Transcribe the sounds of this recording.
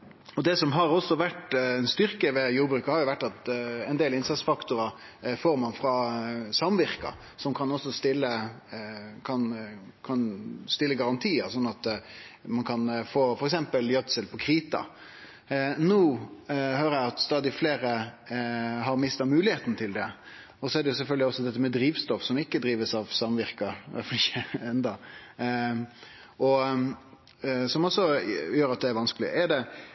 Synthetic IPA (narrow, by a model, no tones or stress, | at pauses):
ɔd̪ɛsɔmɦɑɾɔsɔʋæʈɛnst̪ʏɾkəʋɛjuːɾbɾʉːkəhɑɾjʊʋæʈːɑt̪ɛnd̪eːlɪnsɑt̪sfɑkt̪ʊɾɑ | foːɾmɑnfɾɑsɑmʋɪʁkɑ̰ | sɔmkʰɑnɔsːɔst̪ɪlːə | kʰɑn | kʰɑnst̪ɪlːəɡɑɾɑnt̪ʰiːəɾsɔnːɑt̪mɑnkʰɑnfoːfɔɾɛksɛmpəljœt̪səlpʰɔkʰɾiːt̪ɑ̰ | nuːhøːɾəjæɪɑt̪st̪ɑːd̪ɪfleːɾə | ɦɑɾmɪst̪ɑmʉːlɪheːt̪n̩t̪ʰɪld̪ɛ | ɔsɔɛɾd̪ɛjʊsɛlfœlɡ̪lɪɔsɔd̪ɛt̪ːəmɛd̪ɾiːʋst̪ɔfsɔmɪkːəd̪ɾiːʋəsɑʋsɑmʋɪɾkɑʋæ̰flɪçəɛnd̪ɑ | ʔɔ | sɔmɔsːɔjøːɾɑt̪̚d̪ɛæɾʋɑnskəlɪə̰ɛɾd̪ɛ